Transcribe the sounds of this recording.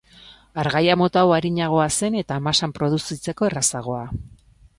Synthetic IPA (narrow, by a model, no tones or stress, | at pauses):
aɾɣajamo̞t̪awaɾiɲaɣ̞o̞ase̞ne̞t̪aːmasampɾo̞ð̞usit͡se̞ko̞e̞rasaɣ̞o̞a